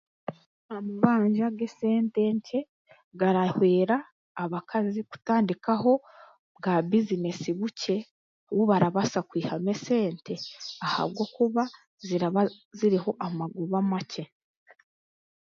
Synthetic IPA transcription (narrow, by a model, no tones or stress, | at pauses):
amuβaːɲʒaɡese̞ːnte̞ɲce̞ | ɡaɾahweːɾaː | βakʰaziku̥taːndikaho̞ | ɡaβizine̞siβuce̞ | wuβaɾaβasakwiːhame̞se̞ːnte̞aha̰β̚ɡo̞kuβa | ziɾaβaziɾiho̞ʔamaɡuβamace̞